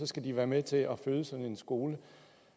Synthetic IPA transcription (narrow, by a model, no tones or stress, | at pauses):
sɒ̽sɡ̥æd̥iʋæːɐmet͡sʰe̝ʔɒføːðˠəsɒ̽nn̩e̝nsɡ̥o̝ːlə